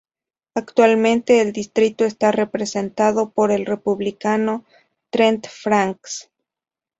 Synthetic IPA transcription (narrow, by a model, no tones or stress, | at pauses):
akt̪walmẽ̞nt̪e̞ːld̪ist̪ɾit̪o̞est̪are̞pɾese̞nt̪aðo̞po̞ɾe̞lre̞puβlikano̞ | t̪ɾent̪fɾaŋks